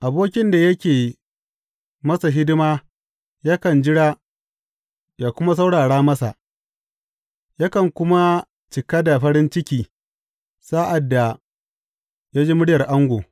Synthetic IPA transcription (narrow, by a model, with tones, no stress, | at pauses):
ʔa˨boː˦kʲɪ˦nda˨jɐ˦kʲeː˨ | mɐ˦sa˨ɦɪ˦dɪ˦maː˦ | ja˦kɐ˨nd͡ʒɪ˦ɽaː˦ | jaː˨kʷʊ˦ma˦s̬a˦wɽaː˨ɽaː˦mɐ˦sa̰˨ʔ | ja˦kɐ˨ŋkʷʊ˦ma˦ | t͡ʃɪ˨ka˦da˨ɸɐ˦ɽɪ˦nt͡ʃɪ˦kʲiː˨ | sa˦ʔa˨dːa˨ | ja˦d͡ʒi˦mʊ˦ɽjɐ˨rʔa˦ŋɡʷoː˨